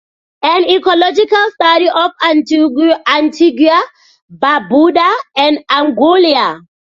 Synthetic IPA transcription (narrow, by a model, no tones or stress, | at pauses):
ãnikɔlɔd͡ʒikalstaɾiʔɔfanantʰiɡia | babuɗaɛ̃naŋɡolia